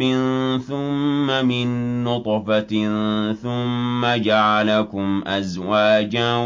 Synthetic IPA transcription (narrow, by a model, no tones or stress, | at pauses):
ɪnθʊmːamɪnːʊt̪ˤfa | θʊmːad͡ʒaʕalakʊmʔazwaːd͡ʒaː